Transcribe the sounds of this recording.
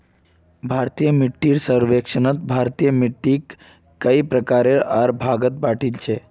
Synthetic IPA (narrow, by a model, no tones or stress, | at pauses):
bʱaɾt̪ijəmiʈːiːɾsəɾʋekʂənət̪̚bʱaɾt̪ijəmiʈːikː | əipɾəkaɾeɾaɾbʱaɡət̪̚baʈʰilt͡ʃʰe